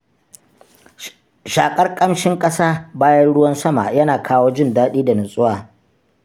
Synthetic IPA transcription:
ʃaː˨kʼɐ˦rkʼɐ˦mʃɪ˦ŋkʼɐ˦saː˦baː˦jɐ˦nɽʊ˦wɐ˦nsɐ˦ma̰˨jɐ˦naː˨kʰaː˦woː˦d͡ʒɪ˦ndaː˦ɗiː˦da˨nɐ˨sʼʊ˦waː˨

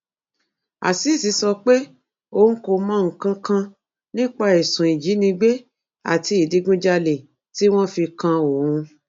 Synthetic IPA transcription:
a˨si˨˦˨si˨˧˦sɔ˧k͡pe˦ | o˧˨˦n̩˦ko˧mã˦ŋ̩˨kã˧kã˧ | nĩ˦k͡pa˦i˨sũ˨i˨d͡ʒi˨˦nĩ˧ɡ͡be˦ | a̰˦˨ti˧i˨di˨˧ɡũ˦d͡ʒa˧le˨ | ti˦w̃ɔ̃˦fi˧kã˧o˨ɾũ˧

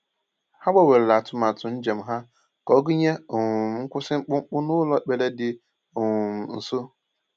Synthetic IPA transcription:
ha˦ɡ͡ba˦we˨ɾe˨la˨a˨tʊ˦ma˨tʊ˨n̩˦d͡ʒe˨m̩˦ɦa˦ | kɔ˨˦ɡi˦ɲe˦o˨ŋʊ˨m̩˨ŋ͡m̩˦kʷʊ˦sɪ˦ŋ͡m̩˦k͡pʊ˦ŋ͡m̩˦k͡pʊ˦nʊ˦lɔ˦˨k͡pe˨le˦dɪ˨ | o˨ŋʊ˨m̩˨n̩˨so˦

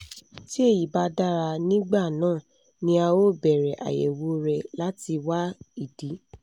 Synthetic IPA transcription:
ti˦e˦˨ji˨ba˧da˦˨ɾa˧nĩ˦ɡ͡ba˦˨nãː˦˨ | nĩ˧a˧wo˦bɛ˨ɾɛ˨ʔa̰˨jḛ˨wo˨˦ɾɛ˧la˦ti˧wa˦i˨di˨˦

